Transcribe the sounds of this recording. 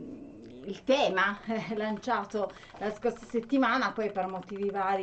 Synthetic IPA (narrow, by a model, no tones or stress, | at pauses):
ilt̪ɛːmaɛɛlːant͡ʃaːt̪o | laskorsaset̪ːimaːnapɔjpermot̪iːvivaːɾi